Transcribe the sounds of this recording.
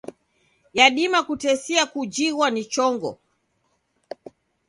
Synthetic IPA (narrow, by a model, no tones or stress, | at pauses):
jaɗimakutɛsiakud͡ʒiwanit͡ʃɔŋɡɔ̰